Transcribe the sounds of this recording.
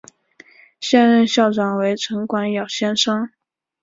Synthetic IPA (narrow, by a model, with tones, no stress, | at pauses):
ɕjɛ˥nɻə˥˧nɕjɑ˥˩ʊʈ͡ʂɑ˨˩ŋwe˧˥ɪʈ͡ʂʰɤ˧˥ŋkwa˧˥njɑ˨˩ʊɕjɛ˥nʂɤ˥ŋ